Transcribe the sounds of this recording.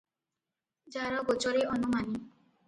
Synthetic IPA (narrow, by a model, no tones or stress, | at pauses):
d͡ʒaɾɔɡot͡ʃɔɾeɔnumani